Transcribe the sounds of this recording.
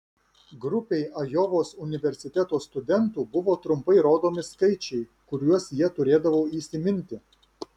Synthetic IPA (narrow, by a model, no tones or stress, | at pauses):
ɡɾʊpʲɛɪɐjɔʋoːsʊnʲɪʋʲɛɾʲsʲɪt̪ʲɛt̪oːst̪ʊd̪ʲɛnt̪uːbʊʋoːt̪ɾʊmpɐɪɾoːd̪oːmʲɪskɐɪt͡ʃʲɛɪkʊɾʲuɔsjiɛt̪ʊɾʲeːd̪ɐʋoːiːsʲɪmʲɪnʲt̪ʲɪ